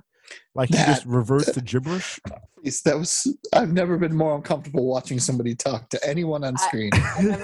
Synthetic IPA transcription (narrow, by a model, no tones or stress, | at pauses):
lʔaɪkhid͡ʒʌst̚ɹɪvɜ˞stʰɨd͡ʒɪbɹɪʃisðɨt̚wʌz̥aɪvnɛvə˞bɨ̃nmɔɹʌ̃nkʰʌ̃ɱftə˞bl̩ˠwɑt͡ʃɪ̃ŋsʌ̃mbɑɾitʰɔk̚tʰɨʔɛniwʌ̃nə̃nskɹĩn